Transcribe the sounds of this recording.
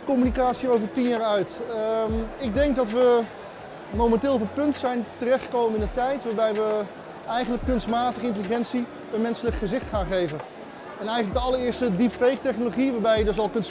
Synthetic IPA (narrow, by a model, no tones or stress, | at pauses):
komynikaːtsiowvəɹtinjaːɹœɥt | ɪɡ̚dɛŋk̚dɑtʋə | mowmɛntɪːlˠɔpət̚pɵntsɛjntərɛχtχə̥kowmənɪnətɛjtʋaːɹbɛjʋə | ɛjχənləkːɵnstmaːtəχəɪnt̬əliχɛnsi | əmɛnsələkχəzɪχtχaːnχejvən | ɛnɛjχənlək̚dəɑlˠəɹɪːɹstədipfejktɛχnoloχiʋaːɹbɛjədɵs̬ɑlˠkɵn